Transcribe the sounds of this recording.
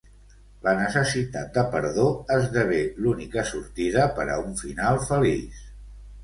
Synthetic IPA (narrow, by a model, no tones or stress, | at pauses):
lənəsəsit̪at̪̚d̪əpəɾðoəzðəβ̞elunikəsuɾt̪iðəpəɾə̰uɱfinalˠfəlḭs